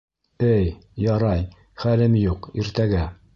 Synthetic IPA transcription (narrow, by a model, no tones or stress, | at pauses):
ɘjjɒɾɑj | χælɘmjuqiɾt̪æɡæ